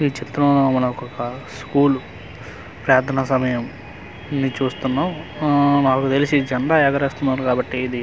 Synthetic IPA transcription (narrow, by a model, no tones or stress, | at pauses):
iːt͡ʃit̪ɾɐmnomɐmːɐnɐɔkɔkɐskuːlu | pɾaːt̪ʰɐnasɐmɐjɐm | nit͡ʃuːst̪unːaːmnaːkut̪elisid͡ʒɐɳɖ̪aːɛːkɐɾeːst̪unːaːɾukaːbɐʈːiːd̪i